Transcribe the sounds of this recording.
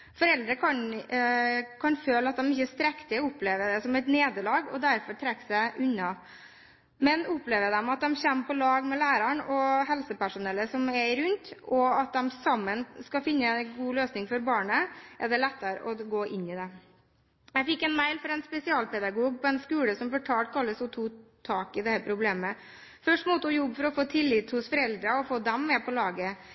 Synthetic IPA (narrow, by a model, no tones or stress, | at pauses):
fɔɾɛld̪ɾəkʰɑn | kʰɑnføːləɑt̪̚d̪ɛmɪçːəst̪ɾɛkːt̪ʰɪlɔʊpleːʋəd̪ɛsɔmɛɪt̪neːd̪əɭɑːɡɔ̰d̪æɾfɔʈʰɾɛkːsæɪʔʉnːɑ | mɛnɔpːleːʋəd̪ɛmɑt̪̚d̪ɛmçɛmːpʰɔlɑːɡmɛlæːɾəɳɔɦɛlsəpæʂʊnɛləsɔmɛɾʉnt̪ɔɑt̪̚d̪ɛmsɑmːənskɑfɪnːəɡuːløːsnɪŋfɔɾbɑːɳəʔæɖɛlɛt̪ːɑɾə̰ʔɔɡoːʔɪnːɪd̪ɛ | jæfɪkːɛnmæɪlfɔɾɛnspɛsɪɑːlpɛd̪ɑɡuːɡ̚pʰɔɛnskʉːləsɔmfɔʈʰɑːlt̪̚kʰɑlːəsɔt̪ʰuːt̪ʰɑːkɪd̪ɛhəɾpʰɾʊbleːmə | fœʂʈmuːt̪ʊjɔbːfɔɾɔfoːt̪ʰɪlːɪt̪hʊsfɔɾɛld̪ɾɑɔfoːd̪ɛmːɛpʰɔlɑːɡə